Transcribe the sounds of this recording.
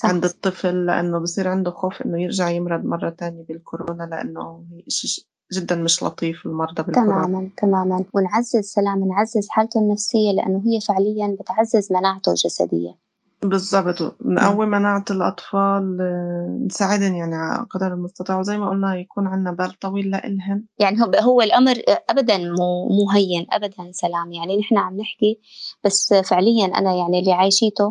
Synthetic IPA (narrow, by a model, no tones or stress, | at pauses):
sˤɑʕɪnd̪ɨt̪ˤːɨflːɪʔa̰nːʊbɪjsˤiːɾʕɪnd̪ʊxoːfʔɪ̰nːʊjɪɾʒaʕjɪmɾˤɑd̪mɑrˤːɑt̪aːnjabɪlkʊɾoːnalɪʔa̰nːohiːʔɪʃi | ʒɪd̪ːanmɪʃlɑ̰t̪ˤiːfɪlmɑɾˤd̪ˤɑbɪlt̪amaːmant̪amaːmanwɪnʕazːɪzsalaːmɪnʕazːɪzħaːlt̪ʊnːafsɪjːalɪʔa̰nːʊɦɪjːafɪʕlɪjːanbɪt̪ʕazːɪzmanaːʕat̪ʊ̰ʒasa̰d̪ɪ̰jːa̰ | bɨzˤːɑbt̪ˤnʔawːimanaːʕalʔɑ̰t̪ˤfɑːl | nsaːʕɪd̪anjaʕniʕaqɑd̪ɑɾɪlmʊst̪ɑt̪ˤiːʕwzajːmaʔʊlnajakuːnʕɪnːabaːlt̪ˤɑwiːlːaʔɪ̰lɦanjaʕniɦɦʊwːalʔamɾʔabad̪anmuːmuːɦajːɪnʔa̰bad̪ansalaːmjaʕninɪħnaʕamnɪħki | b̥asːfɪʕlɪjːanʔa̰najaʕnilːiʕaːjʃiːt̪ʊ